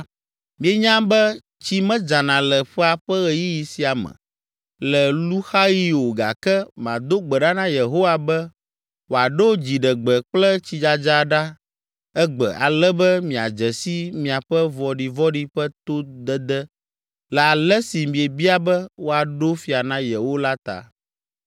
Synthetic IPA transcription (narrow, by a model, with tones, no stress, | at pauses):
mĩ˨e˦ɲã˦bɛ˦ | t͡ɕi˦mɛ̃˦d͡ʒa˨nã˨lɛ˨ɸɛ˦a˨ɸɛ˦ɣɛ˨ji˦ji˨si˨a˨mɛ̰̃˨ | lɛ˨lu˦xa˦ji˦wo˨ɡa̰˨kɛ˦m˨ã̰˨d̪o˦ɡ͡bɛ˨ɖa˦nã˦je˨ɦo˦wa˨bɛ˦ | wo˨a˨ɖo˦d͡ʑi˨ɖə˨ɡ͡bə˨k͡plɛ˦t͡ɕi˦d͡ʒa˨d͡ʒa˦ɖa˦ | ɛ˦ɡ͡bɛ̰˨ʔa̰˨lɛ˦bɛ˦mĩ˨a̰˨d͡ʒɛ˨si˦mĩ˨a˨ɸɛ˦vɔ˨ɖi˨vɔ˦ɖi˦ɸɛ˦t̪o˦d̪ɛ˦d̪ɛ˦ | lɛ˨a˨lɛ˦si˨mĩ˨e˨bi˦a˦bɛ˦wo˦a˨ɖo˦fi˨a˨nã˦je˨wo˦la˦t̪a̰˨